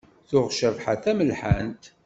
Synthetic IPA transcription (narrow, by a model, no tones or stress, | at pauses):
θʊʁʃəvħaθæməlħənt̪